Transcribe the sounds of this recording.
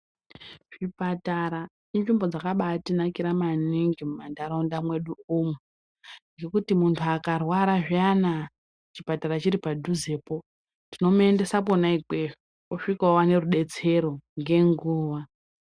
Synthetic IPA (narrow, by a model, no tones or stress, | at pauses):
ʐ̥ipataɾa | inʐimbod͡zakaɓatinakiɾamaniŋɡimumandaɾondamwe̞ɗuumwe | ŋɡe̞kutimuntʰuakarwaɾaʐiana | t͡ʃipataɾat͡ʃiɾipadʱuze̞ːpo̞ | tino̞mue̞nde̞saponaiɡweʐe | oʂikaowane̞ruɗe̞t͡se̞ɾo̞ŋɡe̞ŋɡuːʋa